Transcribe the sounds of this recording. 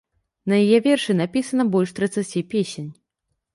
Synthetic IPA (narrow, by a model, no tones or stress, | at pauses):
nɐjajɛvʲɛrʂɨnapʲisɐnɐbɔlʲʂt̪ɾɐt̪sat͡sʲijpʲesʲenʲ